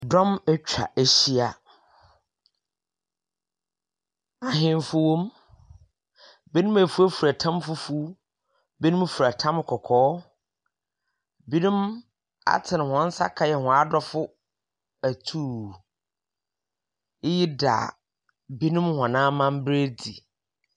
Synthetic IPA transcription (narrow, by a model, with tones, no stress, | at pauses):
dɔ̃˦mɛ˦t͡ɕᶣa̰˨ʔe˨ɕi˦a˨ | a˨ɦɪ̃˦n˦fʊ˦wõ˦m | bi˦nũ˦mæ˨fu˦æ˦fu˨ɾæ˨tʰã˦mfʊ˦fu˦ | bi˦nũ˦m˦fu˨ɾa˨tʰã˦m˦kʰɔ˨kʰɔː˦ | bi˦nũ˦m | a̰˨tʰɪ̃˨nɪ̃˨hɔ̃˨n̩˦sa̰˦kʰa˦jɛ˨hɔ̃˨a˦dɔ˦fʊ˦ | æ˨tʰuː˦˨˦ | ji˦da̰ː˨ | bi˦nũ˦mhɔ̃˨nãː˦mã˦m˦bɾe˦di˨